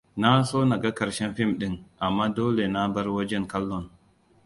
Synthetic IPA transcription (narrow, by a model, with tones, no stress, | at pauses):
na˦soː˦na˨ɡa˦kɐ˨ɾʃɛ˦nɸɪ˦mɗɪ˦ŋʔa˨mːaː˦doː˦le˨na˦bɐ˦rwɐ˦d͡ʒɛ˦ŋkɐ˦lːɔ˦˨n